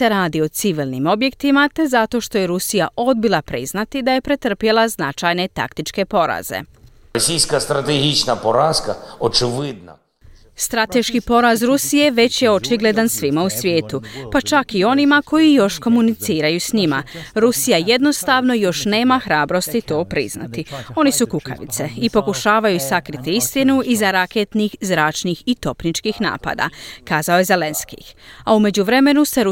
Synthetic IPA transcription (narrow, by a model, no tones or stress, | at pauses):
eɾaːd̪io̞t̪siʋilˠnḭmo̞bje̞kt̪imat̪e̞zat̪o̞ʃt̪o̞jeɾusija̰ʔo̞d̪̚bilˠapɾḭznat̪id̪aje̞pɾet̪r̩pje̞lˠaznat͡ʃajne̞t̪a̰kt̪it͡ʃke̞po̞ɾa̰ze̞̰ | ɔsʲijsʲkɐst̪ɾɐt̪eɦʲit͡ʃnɐpɔɾaskɐɔt͡ʃɪʋɪd̪nɐ̰ | st̪ɾat̪e̞ʃkipo̞ɾazɾusije̞ʋe̞t͡ɕjeo̞t͡ʃiɡle̞d̪ansʋimausʋʲje̞ːt̪upat͡ʃakio̞nimakʰo̞jijo̞ʃko̞munit̪siːɾajusɲima̰ɾusijaje̞d̪no̞st̪aʋno̞jo̞ʃne̞ːmaxɾaːbɾo̞st̪it̪o̞ːpɾḭzna̰t̪io̞nisukuka̰ʋḭt̪se̞ipo̞kuʃaːʋajusakɾit̪iist̪inuʔizaɾakeːt̪nixzɾaːt͡ʃnixit̪o̞pnit͡ʃkiːxna̰ːpa̰ːd̪a̰kaːzaoje̞zele̞nskḭaume̞d͡ʑuʋɾe̞me̞nuse̞ɾ